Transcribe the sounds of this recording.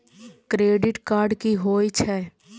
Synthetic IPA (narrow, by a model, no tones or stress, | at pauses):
kɾeːɖɪʈkaːɾɖkiɦoːit͡ʃʰɛː